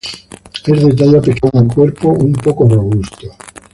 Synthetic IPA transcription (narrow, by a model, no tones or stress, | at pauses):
ezðet̪̬aʎapekanaŋkweɾpoumpokoroβ̞ust̪o